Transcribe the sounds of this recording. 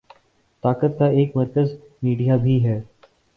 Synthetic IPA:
t̪aːkət̪̚kaeːkmɐɾkəz | miːɖijabʱiːɦɛː

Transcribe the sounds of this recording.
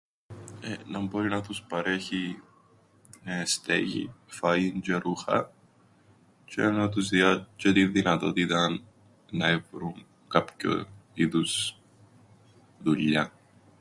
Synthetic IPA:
enɐmbo̞ɾinɐt̪uspɐɾe̞çi | nɐest̪ḛʝḭfɐiɲd͡ʒeɾuxɐ̰ | t͡ʃenɐt̪uzðiɐt͡ʃet̪iðinɐt̪ot̪it̪ɐn | nɐevɾuŋ | kɐpço̰iðus | ðuʎɐ

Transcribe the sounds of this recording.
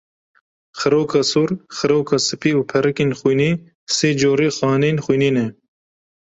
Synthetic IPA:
xɨɾoːkʰɑːsuːɾxɨɾoːkʰɑːsɨpiːuːpʰɛɾɨkeːnxujniː | seːd͡ʒoːɾeːxɑːneːnxujniːnɛ

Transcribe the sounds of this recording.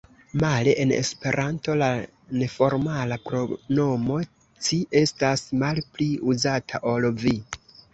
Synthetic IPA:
maleʔenḛspe̞ɾʔanto̞la | ne̞fo̞ɾmalapɾo̞no̞mo̞ | t͡ʃiʔe̞stasmalpliuzatʰaʔolvi

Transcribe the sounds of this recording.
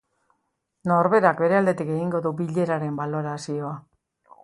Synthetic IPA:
no̞ɾβe̞ɾakbe̞ɾe̞ald̪e̞t̪ike̞ɣiŋɡo̞ðubiʎe̞ɾaɾe̞mbalo̞ɾasio̞a

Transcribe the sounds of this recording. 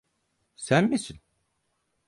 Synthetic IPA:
sænmisin

